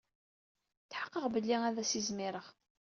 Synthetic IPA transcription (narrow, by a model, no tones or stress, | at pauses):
θħə̥qːəʁbəlːiæðæsizmɪɾəʁ